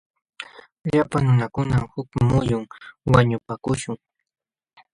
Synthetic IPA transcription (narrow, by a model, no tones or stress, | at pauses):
ʎapaŋnʊnakʊnamhʊkmʊjʊŋwaɲʊpakʊʃʊŋ